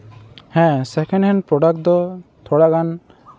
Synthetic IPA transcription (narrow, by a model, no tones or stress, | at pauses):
hɛ̃sɛkʰɛ̃nhɛ̃npɾɔɖak̚d̪ɔt̪ʰɔɽakan